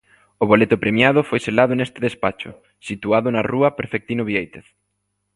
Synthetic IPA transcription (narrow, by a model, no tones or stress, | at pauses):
ʊβ̞olet̪ʊpɾemjað̞ʊfojselaðʊnest̪ɪðespat͡ʃʊ̰ | sit̪uaðʊnɐruɐpeɾfek̚t̪inʊβiejt̪eθ